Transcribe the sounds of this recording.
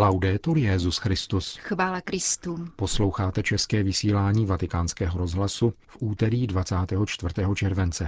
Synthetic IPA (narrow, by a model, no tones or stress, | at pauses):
lawdɛːt̪uljɛzusxɾɪst̪usxvaːlakɾɪst̪uːposlo̞wxaːt̪ɛt͡ʃɛskɛːvɪsiːlaːɲiːvat̪ɪkaːnskɛːɦoɾo̞zɦlasufʔuːt̪ɛɾiːdvat͡saːt̪ɛːɦo̞t͡ʃt̪vrt̪ɛːɦo̞t͡ʃɛɾvɛnt͡sɛ